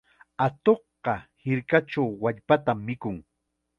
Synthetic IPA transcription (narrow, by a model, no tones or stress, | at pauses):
at̪oχɢɑhɪɾkaʈ͡ʂawːaʎpat̪amːɪkʊŋ